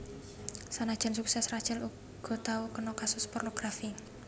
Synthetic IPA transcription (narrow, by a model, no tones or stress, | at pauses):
sanad̥ʒ̥ɛ̤nsuksɛsrad̥ʒ̥ɛlu | ɡ̥ɔ̤t̪aukənɔkasʊspɔrnoɡ̥ɾafi